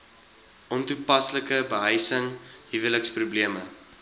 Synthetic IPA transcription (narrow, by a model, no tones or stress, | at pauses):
ʔɔntupɐsləkəbəɦəjsəŋɦivələksprubliəmə